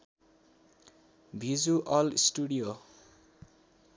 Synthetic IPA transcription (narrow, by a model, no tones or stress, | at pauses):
bʱid͡zuʔʌlisʈuɽijo